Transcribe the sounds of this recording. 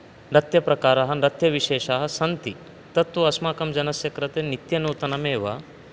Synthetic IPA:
ɾɐt̪jɐpɾɐkaːɾɐɦɐ̆ɾɐt̪jɐʋiʃeːʃaːɦɐ̆sɐnt̪i | t̪ɐt̪ʋɐɐsmaːkɐmd͡ʒɐnɐsjɐkɾɐt̪enit̪jɐnuːt̪ɐnɐmeːʋɐ̰

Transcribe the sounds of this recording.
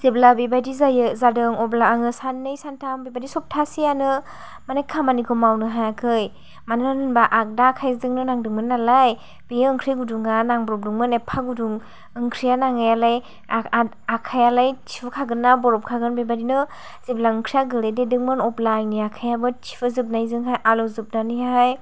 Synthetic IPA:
z̥eblabibajdizajɯzadɯŋɔblaaŋɯsanːɯjsantʰambibadisɔp̚tʰasijanɯ | manekʰːamanikʰɔmawnɯɦajakʰɯj | manɯanɯnbaʔak̚dakʰajzɯŋnɯnaŋdɯŋmɯnːalaj | b̥ijɯɯŋkʰɾiɡuduŋanaŋbɔɾɔp̚duŋmɯnepʰaɡuduŋ | ɯŋkʰɾijanaŋajalaj | akʰajalajt͡ʃʰipʰɯkʰaɡɯnːabɔɾɔp̚kʰaɡɯnbebadinɯ | zip̚laɯŋkʰɾijaɡɯɾededɯŋmɯnɔplajniakʰajabɯt͡ʃʰi̥pʰɯzɯp̚najzɯŋɦajʔalɔwzɯp̚nanihaj

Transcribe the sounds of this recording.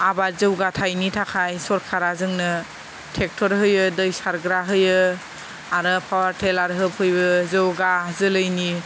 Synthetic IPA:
abazɯwɡatʰajnitʰakʰajsɔɾkʰaɾazɯŋnɯ | tʰek̚tʰɔɾɦɯjɯdɯjsaɾɡɾaɦɯjɯ | aɾɯpʰawaɾtʰelaɾɦɯpʰɯjbɯzɯwɡazɯlɯjni

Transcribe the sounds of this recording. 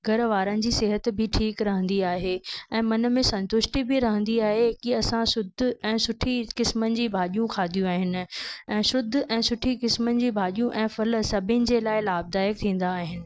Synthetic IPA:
ɡʱɐɾʋaːɾənɪ̆d͡ʑiːsɪɦət̪bɪʈʰiːkɾɐɦə̃nd̪iaːɦeːɛ̃ːmɐnə̆mẽsɐ̃nt̪ʊʃʈibʱiɾɐɦə̃nd̪iaːɦekiɐsãsʊd̪ʱʊɛ̃ːsʊʈʰikɪsmənɪ̆d͡ʑiːbʱaːʄijũkʰaːd̪ʱijũaːɦɪnɪ̆ɛ̃ːʃʊd̪ʱʊʔɛ̃ːsʊʈʰikɪsmənɪ̆d͡ʑiːbʱaːʄijũʔɛ̃ːfɐlsɐbʱɪnɪ̆d͡ʑelaːɪlaːb̚d̪aːjək̚t̪ʰĩːn̆d̪aːɦɪnɪ̆

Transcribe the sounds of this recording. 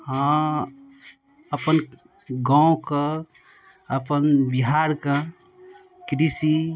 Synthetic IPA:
hã | əpən | ɡãõkə | əpənbiɦaɾkə | kɾisi

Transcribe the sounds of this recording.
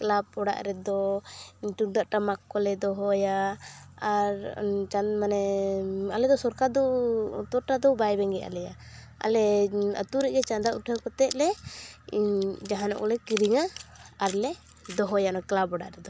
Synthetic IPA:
klab̚ɔɽa̰ʔɾɛd̪ɔ | ʈudaʔʈamakːɔlɛd̪ɔɦɔja | aɾt͡ʃamanɛ | alɛd̪ɔsɔɾkad̪ɔt̪ɔɾʈad̪ɔbajbɛŋɡɛʔa̰lɛja | a̰lɛə̰t̪uɾɛʔɡɛt͡ʃand̪aʔuʈʰakɔt̪ɛt̪̚lɛ | d͡ʒaɦanɔ̰ʔkɔlɛkiɾiŋaːɾlɛ | d̪ɔɦɔjanɔklabɔɽa̰ʔɾɛd̪ɔ

